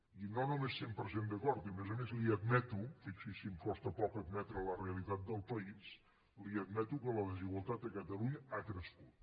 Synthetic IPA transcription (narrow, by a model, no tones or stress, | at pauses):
inonomesːempəɾsend̪əkɔɾt̪imezəmezliəd̪mɛt̪ufiksisimkɔst̪əpɔkəd̪mɛt̪ɾələreəlit̪at̪̚d̪əlˠpəis | liəd̪mɛt̪ukələðəziɣwəlˠt̪at̪əkət̪əluɲəakɾəskut̪